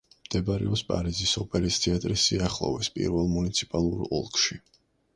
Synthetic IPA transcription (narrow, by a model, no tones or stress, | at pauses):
md̪̥ɛbaɾɛ̰ɔspʼa̰ɾizisɔpʼɛɾist̪ʰiat̪ʼɾisːiaχlˠɔ̰vɛspʼḭɾvɛlˠmunit̪sʰi̥pʼalˠuɾɔlˠkʰʼʃi